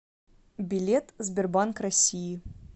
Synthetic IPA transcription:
bʲɪlʲet̪zʲbʲɪrbankrɐsʲiji

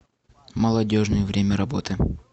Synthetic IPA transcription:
məlˠɐdʲo̞ʐnɨjəvɾʲemʲəɾɐbo̞t̪ɨ

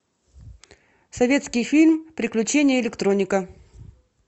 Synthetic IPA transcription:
sɐvʲe̞t̪skʲɪjfʲilʲmpɾʲɪklʲʉt͡ɕenʲɪjəɪlʲɪkt̪ɾonʲɪkə

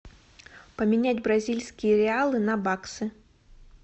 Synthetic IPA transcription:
pɐmʲinʲad͡zʲbɾazʲilʲsʲkʲijɐɾɛalˠɨnɐbaksɨ

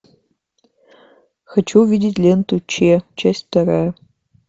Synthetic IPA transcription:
xɐt͡ʃʰuvʲidʲɪtʲlʲentʰut͡ʃʰeːt͡ʃʰesʲtʲtɐɾɐ

